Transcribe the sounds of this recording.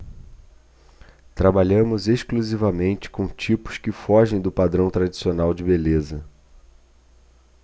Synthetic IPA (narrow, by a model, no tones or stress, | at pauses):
t̪ɾabaʎɐ̃mʊzeʃkluzivɐmẽnt͡ʃɪ̥kõw̃t͡ʃipʊ̥skɪfɔʒẽj̃d̪ʊpad̪ɾɐ̃w̃t̪ɾad͡ʒisionawd͡ʒɪbelezɐ